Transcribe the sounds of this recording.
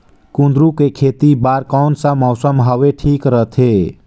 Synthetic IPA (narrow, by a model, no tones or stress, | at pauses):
kũnd̪ɾũkekʰeːt̪ibaːɾkɔnsə̃mɔwsəmɦaʋeʈʰiːkɾət̪ʰe